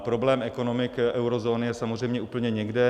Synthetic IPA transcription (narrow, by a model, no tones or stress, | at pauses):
pɾoblɛːmɛkonomɪkʔɛwɾozoːnɪjɛsamozrɛjmɲɛuːpl̩ɲɛɲɛɡdɛ